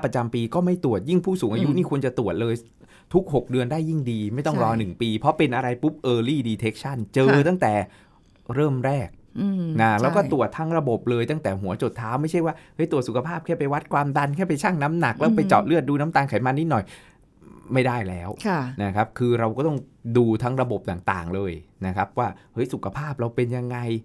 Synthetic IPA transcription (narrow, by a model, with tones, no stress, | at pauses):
pɾa˧t͡ɕa˧mpiː˧kɔː˥˩ma˥˩jt̪u˨˩ət̪̚ji˥˩ŋpʰuː˥˩suː˩˦ŋʔa˧ju˦˥ʔniː˥˩ku˧ənt͡ɕa˨˩t̪u˨˩ət̪̚lɤː˧j | t̪ʰu˦˥k̚ɦo˨˩k̚dɯ˧əndaː˥˩jːi˥˩ŋdiː˧ma˥˩jt̪ɔ˥˩ŋɾɔː˧nɯ˨˩ŋpiː˧pʰɔ˦˥pe˧nʔa˧ɾa˧jpu˦˥p̚ʔɤː˧liː˥˩diː˧t̪ʰe˦˥k̚t͡ɕʰa˥˩nt͡ɕɤː˧t̪a˥˩ŋt̪ɛː˨˩ | ɾɤː˥˩mɾɛː˥˩k̚na˦lɛː˦˥˩kɔː˥˩t̪u˨˩ət̪ʰːa˦˥ŋɾa˧bo˨˩p̚lɤː˧jt̪a˥˩ŋt̪ɛː˨˩ɦu˩˦ɐt͡ɕo˨˩t̪ʰːaː˦˥wma˥˩jt͡ɕʰa˥˩jwaː˥˩hɤ˦˥jt̪u˨˩ət̪su˨˩kʰa˧pʰaː˥˩p̚kʰɛː˥˩pa˧jwa˦˥t̪̚kʰwaː˧md̪a˧nkʰɛː˥˩pa˧jt͡ɕʰaː˥˩ŋna˦˥mna˨˩k̚lɛː˦˥pa˧jt͡ɕɔ̰ː˨˩t̪̚lɯ˥˩ət̪̚duː˧na˦˥mt̪aː˧ŋkʰa˨˩˦jmaː˧ni˦˥nɔ˨˩j | ma˥˩jda˥˩jlɛː˦˥wʰna˦˥kʰa˦˥p̚kʰɯː˧ɾa˧wkɔː˥˩t̪ɔ˥˩ŋduː˧t̪ʰa˦˥ŋɾa˧bo˨˩p̚t̪aː˨˩ŋt̪a̰ː˨˩ŋlɤː˧jna˦˥kʰa˦˥p̚waː˥˩hɤ˦˥jsu˨˩kʰa˧pʰaː˥˩p̚ɾa˧wpe˧nja˧ŋːa˧j